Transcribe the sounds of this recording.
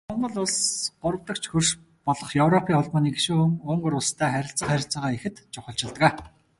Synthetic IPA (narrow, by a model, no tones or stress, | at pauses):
ɔɮmə̆ɮʊɮsɢʊɾə̆w̥t̪ə̆k̚t͡ɕʰxɵrʃ | pɔɮɞ̆χjɵwrɔpʰiːŋχʊɮpɔːniːɡeʃuːxuŋʊːŋɡɵ̆ɾʊɮst̪ʰæːχæɾʲɪ̆ɬt͡sə̆χæɾʲɪ̆ɬt͡sə̆ʁaːexɘ̆t̪t͡ɕʊχə̆ɬt͡ɕɪ̆ɮt̪̆æː